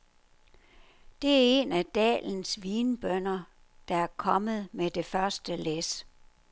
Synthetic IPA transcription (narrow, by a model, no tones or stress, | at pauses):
d̥e̝æɐe̝næd̥ɛ̰ːln̩sʋiːnb̥œn̰ɐ | d̥ɑ̈æɐkʰɒ̽mð̞̩ˠmed̥e̝fɶɐsd̥əles